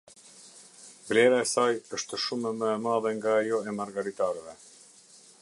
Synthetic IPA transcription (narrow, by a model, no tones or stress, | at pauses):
blɛɾaɛsajəʃt̪əʃumɛməɛmaðɛŋɡaːjɔɛmaɾɡaɾit̪aɾvɛ